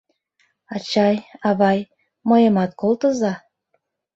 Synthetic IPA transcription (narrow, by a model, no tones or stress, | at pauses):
ɑt͡ɕɑjɑβɑj | məjə̆mɑt̪̚kolt̪əzɑ